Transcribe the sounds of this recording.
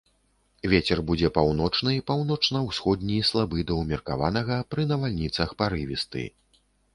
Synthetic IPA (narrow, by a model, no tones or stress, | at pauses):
vʲet͡sʲɛrbud͡zʲɛpawnɔt͡ʂnɨpawn̪ɔt͡ʂnɐwsxɔd̪ʲnʲislˠabɨd̪ɐwmʲɛrka̰va̰nɐɣɐpɾɨnɐvalʲnʲit̪sɐxpaɾɨvʲist̪ɨ̰